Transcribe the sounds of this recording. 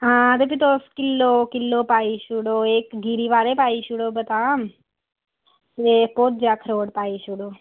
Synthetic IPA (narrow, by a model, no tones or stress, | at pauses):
ɦãːt̪epʰit̪oskɪlːoːkɪlːoːpaːiːʃʊɽoːeːkɡiːɾiːʋaːɾeːpaːiʃʊɽoːbət̪aːm | t̪eːpoːt̪̚d͡ʒaːkʰəɾoːɽpaːiʃʊɽoː